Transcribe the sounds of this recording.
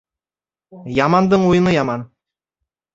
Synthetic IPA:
jɑmɑnd̪ɤɴujɤ̆nɤjɑmɑn

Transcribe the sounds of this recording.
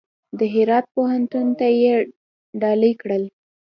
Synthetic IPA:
d̪əɦɪɾɑt̪̚poɦant̪unt̪aje | ɖɑlijkɽəl

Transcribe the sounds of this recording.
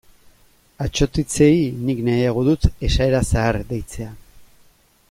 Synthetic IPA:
at͡ʃo̞t̪it͡se̞jniknajaɣ̞oðut̪e̞ʃae̞ɾasaːɾd̪e̞jt͡se̞a

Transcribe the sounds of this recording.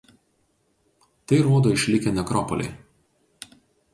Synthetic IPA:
t̪ɐɪɾoːd̪oːɪʃʲlʲɪkʲɛnʲɛkɾɔpɔlʲɛ̰ɪ

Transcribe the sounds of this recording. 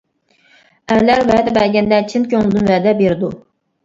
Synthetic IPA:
æɾlæɾvæːd̪ɛbæɾɡʲænd̪æt͡ʃʰɪnt̪̚kʲʰøŋlˠɨd̪unvæːd̪ɛbeɾd̪u

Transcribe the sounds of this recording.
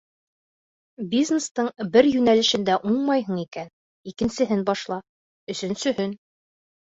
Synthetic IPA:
bʲiznest̪ɤɴbɘɾjʉnælɘ̆ʃɘ̆nd̪æʔuɴmɑjɦɤ̆ɴikæn | ikɘ̆nsɘ̆ɦɘnbɑʃlˠɑ | ɵ̆sɵ̆nsɵ̆hɵn

